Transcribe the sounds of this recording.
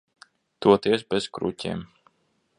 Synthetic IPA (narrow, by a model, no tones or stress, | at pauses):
t̪uɔt̪iɛsbɛz̥kɾṵcʲḭːm